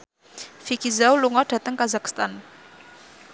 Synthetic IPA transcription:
fikizawluŋɔɖ̥ä̤t̪əŋkazakst̪an

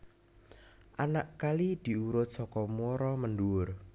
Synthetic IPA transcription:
ʔanaʔkalid̪̥i̤uɾʊt̪̚sɔkɔmwɔɾɔmənduwʊr

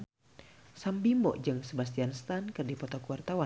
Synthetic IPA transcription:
sambimbɔ̰ʔd͡ʒɨŋsəbas̬t̪ianst̪ankɨrdipɔt̪ɔkuwart̪awa

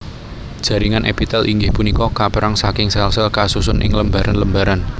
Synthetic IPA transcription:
d̥ʒ̥ä̤ɾiŋanʔḛpit̪ɛlʔiŋɡɪhpunikɔkapəɾʔaŋsakɪŋsɛlsəlkasusʊnʔɪ̰ŋləmbaɾanləmbaɾan

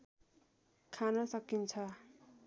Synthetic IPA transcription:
kʰanʌsʌkint͡sʰʌ

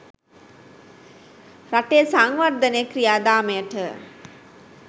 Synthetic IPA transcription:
raʈeəsaŋʋard̪ənejəkrijaːd̪aːməjəʈə

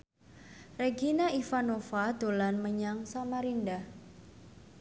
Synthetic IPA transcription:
reɡinaifanofad̪̥o̤lanməɲaŋsamaɾindah

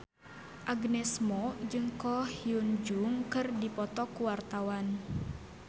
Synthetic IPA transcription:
ʔaɡnɛsmɔd͡ʒɨŋkɔhiund͡ʒuŋkɨrdipɔt̪ɔkuwart̪awan

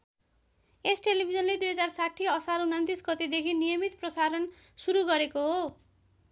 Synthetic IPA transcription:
esʈelibʱizʌnled̪ujɦʌd͡zarsaʈʰːiʌsaɾunant̪isɡʌt̪ed̪ekʰinijʌmit̪prʌsaɾʌn | suɾuɡʌɾekoɦo

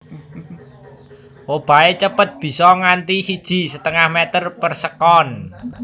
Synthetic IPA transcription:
wob̥aet͡ʃəpət̪̚b̥i̤sɔŋant̪isid̥ʒ̥i̤sət̪əŋahmɛt̪ərpərsəkɔn

